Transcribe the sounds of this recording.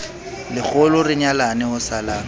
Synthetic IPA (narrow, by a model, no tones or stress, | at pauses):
lɪk͡xʰʊlʊrɪɲalanɛhʊsalaːŋ